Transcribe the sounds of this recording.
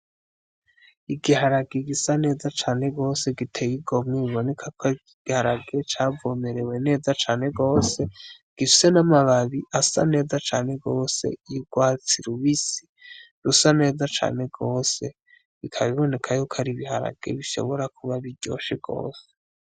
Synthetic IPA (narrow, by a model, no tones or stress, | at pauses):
iɡihaɾaɡeɡisane̞ːzat͡ʃaːne̞ɡo̞ːse̞ɡitʰe̞jiɡo̞mŋeβiβo̞ne̞kʰakʰo | ɡ̥ihaɾaɡet͡ʃaːvome̞ɾe̞we̞ne̞ːzat͡ʃaːne̞ɡo̞ːse̞ | ɡ̥ifise̞namaβaβiʔasa̰ne̞ːzat͡ʃaːne̞ɡoːse̞̰ijɡwaːt͡siɾuβisi̥ | ɾusane̞ːzat͡ʃa̰ːne̞ɡo̞ːse̞ | βikʰaβiβo̞ne̞kʰajukʰaɾiβihaɾa̰ɡ̥ḛβiʃo̞̰βo̞ɾakʰuβaβiɟo̰ːʃeɡo̞̰ːse̥